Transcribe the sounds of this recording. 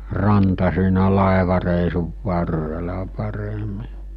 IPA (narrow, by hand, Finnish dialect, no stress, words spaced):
rɑntɑ siːnæ lɑˑeʋɑreˑisuʋ ʋɑrːelɑ pɑremi